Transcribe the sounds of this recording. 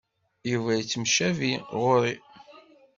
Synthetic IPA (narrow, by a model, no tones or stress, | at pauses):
juvæjit͡sːəmʃæviʁʊɾi